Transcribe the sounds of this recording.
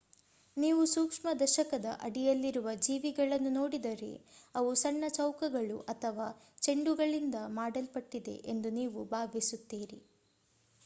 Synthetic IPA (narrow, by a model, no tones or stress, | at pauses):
niːʋusuːkʂmɐd̪ɐʃɐkɐd̪ɐ̰ʔɐɽijɐlːiɾuʋɐd͡ʒiːʋiɡɐɭɐnːuno̞ːɽid̪ɐɾḛɐʋusɐɳːɐt͡ʃɐwkɐɡɐɭuʔɐt̪ʰɐʋaː | t͡ʃe̞ɳɖuɡɐɭind̪ɐmaːɖɐlpɐʈːid̪e̞̰ʔend̪uniːʋubʱaːʋisut̪ːiːɾḭ